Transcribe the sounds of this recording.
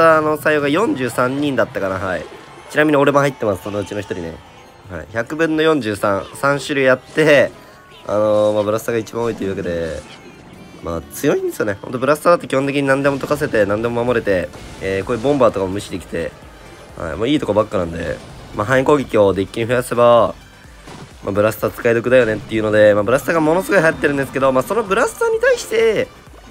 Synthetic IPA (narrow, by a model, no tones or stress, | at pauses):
ano̞saijoɡajõ̞ɲ̟d͡ʑɨːsãɲ̟ːĩnd̪at̪ːakanaɦaḭ | t͡ɕinamʲiɲ̟io̞ɾe̞moɦait̪ːe̞masɨ̥sonoɯ̟t͡ɕino̞çi̥t̪oɾine̞̰ | ha̰ḭçakɯ̟bɯ̟̃nːo̞jõ̞ɲ̟d͡ʑɨːsãɰ̃sãɰ̃ɕɨɾɯ̟jat̪ːe̞ | a̰no̞mabɯ̟ɾasɨ̥aɡait͡ɕibãoit̪iɯ̟ːake̞d̪e̞ | ma̰ːt͡sɨjo̞ĩnd̪esɨjo̞nehõnt̪o̞bɯɾasɨ̥t̪ad̪at̪ːkʲihont̪ekʲiɲ̟inãnd̪e̞mo̞t̪o̞kas̬e̞t̪e̞nãnd̪e̞momamo̞ɾe̞t̪e̞eːkoːjɯːbõ̞mbaːt̪o̞kamomɯ̟ɕid̪ekʲi̥t̪e̞̰ | ha̰ḭmoːiːt̪o̞kobakːɯ̟nãnd̪e̞̰ | maɦãĩko̞ːɡʲekʲio̞d̪ekʲːiɲ̟iɸɯ̟jase̞ba | mʔabɯ̟ɾasɨ̥t̪at͡sɨ̥kaid̪o̞kɯ̟d̪ajo̞ne̞t̪ːe̞jɯ̟no̞d̪e̞maːbɯ̟ɾasɨ̥t̪aɡamo̞no̞sɨɡo̞iɦajat̪ːeɾɯ̟̃nd̪esɨ̥ke̞d̪o̞maːso̞no̞bɯ̟ɾasɨ̥t̪aɲ̟it̪aiɕi̥t̪e̞